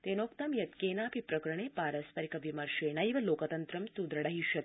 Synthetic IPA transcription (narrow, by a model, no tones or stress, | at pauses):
t̪eːnoːkt̪ɐmjɐt̪keːnaːpipɾɐkɾɐɳepaːɾɐspɐɾikɐʋimɐɾʃeːnɐjʋɐloːkɐt̪ɐnt̪ɾɐmsud̪ɾɐɽɐɦiʃɐt̪